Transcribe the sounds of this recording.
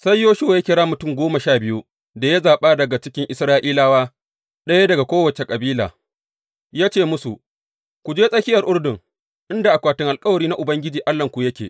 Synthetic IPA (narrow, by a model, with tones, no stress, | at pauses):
sɐ˦jjoː˦ʃu˦˨ja˦kʲɪ˨ɽaː˦mʊ˨tʊ˦˨ŋɡʷoː˦ma˨ʃaː˦˨bɪ˦ju˦ | da˨ja˦zaː˨ɓaː˦dɐ˨ɡa˨t͡ʃɪ˦kʲɪ˦ŋʔɪ˨sɾaː˦ʔiː˦laː˦waː˦ | ɗɐ˦ja˦dɐ˨ɡa˨kʷoː˦wɐ˨t͡ʃe˨kʼɐ˨biː˦la̰ː˨ | jaː˦t͡ʃeː˦˨mʊ˦su˨ | kʷu˨d͡ʒeː˦sʼɐ˦kʲɪ˦jɐ˨rʔʊ˦rdɪ˨ŋ | ʔɪ˦nda˨ʔa˨kʷaː˨tɪ˦ŋʔa˨lkʼɐ˦wɐ˨ɾiː˦na˦ʔʊ˨bɐ˦ŋɡʲɪ˦d͡ʒiː˨ʔa˦lːɐ˨ŋkʷu˨jɐ˦kʲḛː˨